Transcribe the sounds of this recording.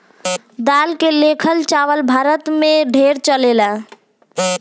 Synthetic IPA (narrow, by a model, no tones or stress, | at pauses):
d̪alkelekʰəlt͡ʃaʋəlbʱaɾət̪meɖʱeɾt͡ʃəlela